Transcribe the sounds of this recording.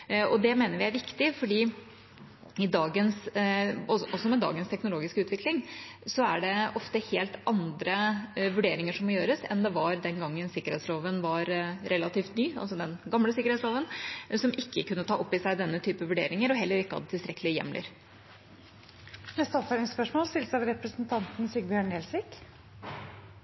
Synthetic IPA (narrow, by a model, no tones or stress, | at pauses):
ɔd̪ɛmeːnəɾʋɪæɾʋɪkt̪ɪfɔɖiː | ɪd̪ɑːɡəns | ɔɔsɔmɛd̪ɑ̰ːɡənst̪ʰɛknʊloːɡɪskəʉːt̪ʋɪklɪŋsɔæɖɛɔft̪əheːlt̪ɑnd̪ɾəʋʉɖeːɾɪŋəʂɔmːɔjøːɾəsɛ̰nd̪ɛʋɑɾd̪ɛnɡɑŋːənsɪkəɾhɛːt̪sloːʋənʋɑɾɾɛlːɑt̪iːft̪nyːɑ̰lsɔd̪ɛnɡɑmləsɪkəɾɛtsloːʋənsɔmʔɪkːəkʉnːət̪ʰɑːʔɔpːɪsæɪd̪ɛnːət̪ʰyːpəʋʉɖḛːɾɪŋəɾɔɦɛlːəɾɪkːəhɑ̰d̪ət̪ʰɪlst̪ɾɛkəlɪjɛ̰mlʔɪ̰ɾ | nɛst̪ɔfəɾɪnspœʂmoːlst̪ɪlsɑʋɾɛpɾəsnt̪ʰɑnt̪n̩syːɡbjœːɳeːlsʋɪk